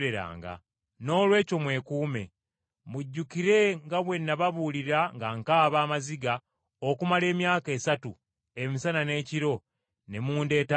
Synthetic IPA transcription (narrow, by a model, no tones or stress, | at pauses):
ɾeɾa̰ːŋɡa̰ | no̞ːlwe̞ːco̞mwe̞ːkuːme̞ | muɟːukiɾe̞ŋɡaβwe̞nːaβaβuliɾaŋɡaŋkaːβaːmaziɡa | okumale̞ːmjaːke̞ːsatu | e̞misanane̞ːciɾo̞ | ne̞muːnde̞ːta